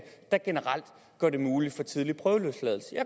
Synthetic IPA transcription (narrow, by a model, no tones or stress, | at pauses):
d̥æɡ̥e̝nəʁal̰d̥ | ɡ̥ɶɐ̰ɾ̥e̝muːli̥fɒ̽t͡sʰiðˠlipʰʁœːʊəløslɛð̞ˠl̩səjɑ